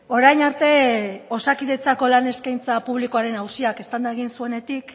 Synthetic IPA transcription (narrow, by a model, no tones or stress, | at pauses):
o̞ɾajɲaɾt̪e̞o̞sakiðe̞t͡sako̞lane̞skajnt͡sapuβlikoaɾe̞nawsiake̞st̪and̪aeɣ̞insue̞ne̞t̪ik